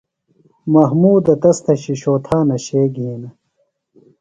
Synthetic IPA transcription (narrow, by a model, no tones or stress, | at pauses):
mɐɦmuːd̪ɐt̪ɐst̪ɐɕiɕoːt̪ʰaːnɐɕeːɡiːnɐ